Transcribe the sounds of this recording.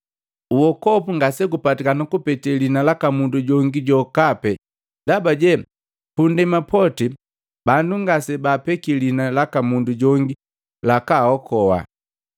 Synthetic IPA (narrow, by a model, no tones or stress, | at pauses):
uwɔkɔpuŋɡasɛɡupatikanakupɛtɛlinalakamunduɟɔŋɡiɟɔkapɛ | dabaɟɛ | pundɛmapʰɔti | banduŋɡasɛbapɛkilinalakamunduɟɔŋɡi | lakahɔkɔwa̰